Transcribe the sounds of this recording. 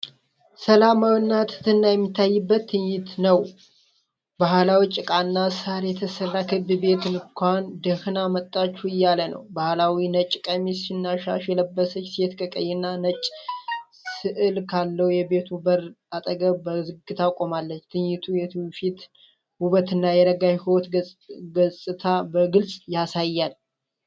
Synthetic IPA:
səlamawinːat̪ʰɨ̥t̪ʰɨnːajɛmːit̪ʰːajːɨbːət̪ʰːɨɲːɪt̪nəw | bahlawit͡ʃʼɪkʼanːasaɾjɛt̪ʰəsərːakʰɨbɨbe̞t̪ɨnkʷand̪əhɨnamət̪ʼːat͡ʃːuɨjːalənə̰wbahlawinət͡ʃʼkʼəmisinːaʃa̰ʃjɛləbːəsət͡ʃːset̪kʼəkʼəjːɛnːanət͡ʃʼː | sɨʔɨlkʰalːəwjɛbe̞t̪ubəɾ | at̪ʼəɡəbəzɨɡɨt̪ʰakʼomalːət͡ʃːt̪ʰɨɲjɪt̪ʰujɛfit̪ | huβət̪ɨnːajɛɾəɡaʃhwɔt̪ɡəsʼɨt̪ʰabəɡɨlsʼjasajːal

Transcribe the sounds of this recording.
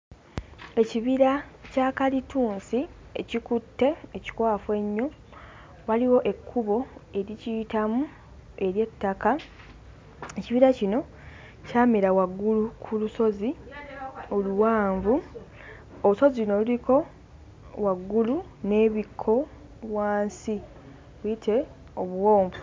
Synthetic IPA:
e̞ciβiɾacaːkalituːnsiecikutːe̞ːci̥kwaːfwe̞ɲːo̞ | waliwo̞ʔe̞kʰːuβo̞e̞ɾicitamu | e̞ɾje̞tːaka | e̞ciβiɾacino̞ | caːmeɾawaɡːulukʰuluso̞zi | oluwaːɱvu | ouso̞zino̞luliko̞ | waɡːulu | ne̞ːβikʰːo̞ | βwaːnsi | βuitʰe̞ | o̞βuwo̞ːɱvu

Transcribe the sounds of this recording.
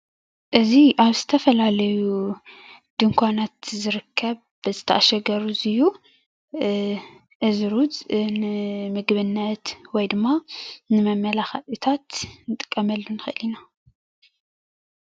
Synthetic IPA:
ʔɨziʔaβzɨt̪ʰɐfɐlalɐju | d̪̥ɨŋkʷʰanat̪zɨɾɨkʰːɐβ | b̥ɨzɨt̪ʰɐʔaʃɐɡɐɾuzɨju | ʔɨzɾuznɨmɨɡβɨnːɐt̪wɔjd̪ɨmːanɨmɐmːɐlaxat̪ʼit̪ʰat̪nɨt̪ʼɨ̥kʼːɐmɐlːunɨxɨʔɨlina

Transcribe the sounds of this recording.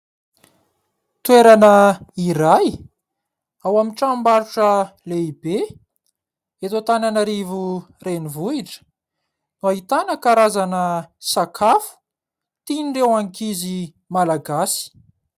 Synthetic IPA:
t̪weɾanəiɾaj | awamiʈ͡ʂambaɾuʈ͡ʂəleibe | et̪ot̪ananaɾivurenivuiʈ͡ʂə̥ | nuaɦit̪anəkaɾazanəsakʰafu̥ | t̪iniɖ͡ʐewaŋkizi | malaɡasi̥

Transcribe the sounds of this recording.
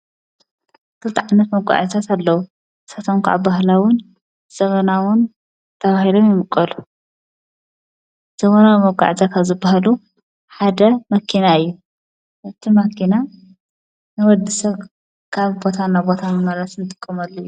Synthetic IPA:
kʰɨlt̪ʰɐʕanːɐt̪mɐɡʷa̰ʕt̪ʰat̪ʰalːɐwu | sat̪ʰomkʰaʕa̰baɦlawʊn | z̥ɐβɐnawʊn | t̪ʰɐβahilomjɪmɨkʼːɐlu | z̥ɐβonamɐɡʷa̰ʕt̪ʰakʰaβzɨbːaɦalu | ħad̪ɐmɐkʰinaɨjːu | ʔɨt̪ʰimɐkʰina | nɨwɔd̪ɨsɐβ | kʰaβbo̞t̪ʰanːabo̞t̪ʰanmɐɾɐsnɨt̪ʼɨkʼːɨmalːojːu

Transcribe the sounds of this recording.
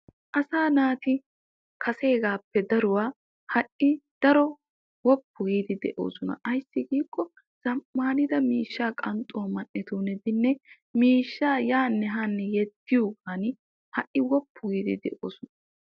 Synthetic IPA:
ʔɐsaːnaːt̪ɪ | kʰɐse̞ːɡaːpːɛd̪ɐɾʊwaː | hɐʔɪd̪̥ɐɾɔ | wɔpːʊɡiːd̪ɪd̪ɛ̰ʔo̞ːsɔnɐ̰ʔɐjsːɪɡiːkʼːɔ | z̥ɐmːaːnɪd̪ɐmiːʃːaːkʼɐnt̪ʼːoɐmɐnːɛt̪uːnɛd̪ɪnːɛ | miːʃːaːjaːnːɛɦaːnːɛjɛt̪ːɪjuɡaːnɪ | hɐʔɪwɔpːʊɡiːd̪ɪ̰d̪ɛ̰ʔo̰ːsʊnɐ

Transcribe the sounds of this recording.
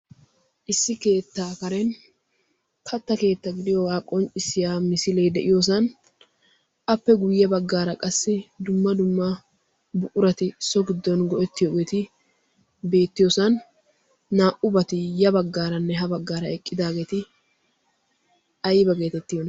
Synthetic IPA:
ʔɪsːɪke̞ːt̪ːaːkɐɾɛn | kʰɐt̪ːɐke̞ːt̪ːɐɡɪd̪ɪjɔwaːkʼɔnt͡ʃʼɪsɪjaːmɪsɪlɛjd̪ɛʔɪjos̬ɐn | ʔɐpːɛɡʊjːɐbɐɡːaːɾɐkʼɐsːɪd̪ʊmːɐd̪ʊmːɐ | bʊʔʊɾɐt̪ɪsɔɡɪd̪ːɔnɡɔʔɛt̪ːɪjoɡeːt̪ɪ | be̞ːt̪ːɪjosɐnː | aːʔʊbɐt̪ɪjɐbɐɡːaːɾɐnːɛɦɐbɐɡːaːɾɐɛkʼːɪd̪aːɡe̞ːt̪ɪ | ɐjbɐɡe̞ːt̪ɛt̪ːɪjonɐ

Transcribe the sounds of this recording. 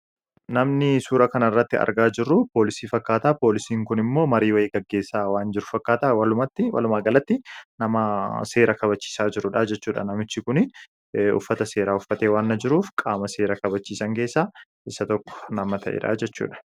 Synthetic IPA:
nɐmnɪsuːɾɐkɐnɐɪrːɐt̪ːɪɐ̰ɾɡaːd͡ʒɪrːʊpoːlɪsiːfɐkːaːt̪aːpo̞ːlɪsiːŋkʊnɪmːo̞ːmɐɾiːwɐeːɡɐɡːe̞ːsːaːwaːnd͡ʒɪɾʊfɐkːaːt̪aːwɐlʊmɐt̪ːɪwɐ̰lʊmaːɡɐlɐt̪ːɪnɐmɐse̞ːɾɐkɐbɐt͡ʃːi̥ːsaːd͡ʒɪɾʊᶑad͡ʒɛt͡ʃːuːᶑɐ̰nɐmɪt͡ʃːɪkʊnɪ | ʊ̰fːɐt̪ɐse̞ːɾaːʊfːɐt̪eːwaːnːɐd͡ʒɪɾuːfkʼaːmɐse̞ːɾɐkɐbɐt͡ʃːiːsɐŋke̞ːsːaː | ɪsːɐt̪ɔkːɔ̥nɐmɐt̪ʰɐ̰ʔḛᶑa̰ːd͡ʒɛt͡ʃːṵːᶑɐ̥

